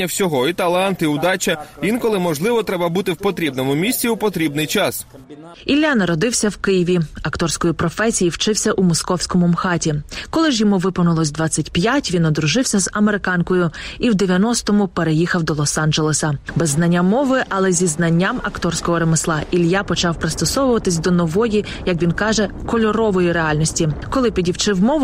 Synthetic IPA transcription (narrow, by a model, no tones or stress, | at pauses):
ɐwsʲɔɦɔit̪ɐlˠɑnt̪iʊd̪ɑt͡ʃɐʋʲinkɔlˠɪmɔʒlˠɪʋɔt̪ɾɛbɐbut̪ɪwpɔt̪ɾʲibnɔmʊmʲisʲt͡sʲiupɔt̪ɾʲibnɪjt͡ʃɑs | ilʲːanɐɾɔd̪ɪwsʲɐwkɪjiʋʲiɐkt̪ɔrsʲkɔjʊpɾɔfɛsʲijiwt͡ʃɪwsʲɐʔumɔskɔwsʲkɔmʊmxɑtʲikɔlˠɪʒjɔmuʋɪpɔnʊlˠɔsʲd̪ʋɑt͡sʲːɐtʲpjatʲʋʲinɔd̪ɾʊʒɪwsʲɐzɐmeɾɪkɑnkɔjʊiwd̪eʋʲjɐnɔst̪ɔmʊpeɾejixɐwd̪ɔlˠɔsɑnd͡ʒelˠesɐbɛzːnɐnʲːamɔʋɪʔɐlˠɛzʲiznɐnʲːamɐkt̪ɔrsʲkɔɦɔɾemɪslˠɑʔilʲjapɔt͡ʃɑwpɾɪst̪ɔsɔʋʊʋɐt̪ɪsʲd̪ɔnɔʋɔji | jɐk̬ʋʲinkɑʒɛ | kɔlʲɔɾɔʋɔjiɾeɑlʲnʲɔsʲtʲikɔlˠɪpʲidʲiwt͡ʃɪwmɔʋʊ